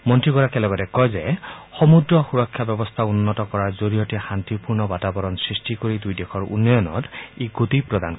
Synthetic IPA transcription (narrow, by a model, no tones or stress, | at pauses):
mɔntɹiɡɔɹakɛlɛbatɛkɔjzɛxɔmudɹɔxuɹɔkʰːjabɛbɔstʰaunːɔtɔkɔɹaɹzoɹijɔtɛxantipuɹnɔbatabɔɹɔnsɹistikoɹidujdɛkʰɔɹṵnːɔjɔnɔ̰teɡotipɹɔdan